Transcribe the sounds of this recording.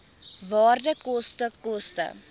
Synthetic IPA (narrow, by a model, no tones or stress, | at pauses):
vɑːrdəkɔstəkɔstə̰